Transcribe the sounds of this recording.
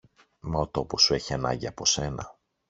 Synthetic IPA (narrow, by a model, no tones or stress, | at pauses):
meot̪o̞po̞sue̞çiɐnɐ̰ɲɟiɐpo̞se̞nɐ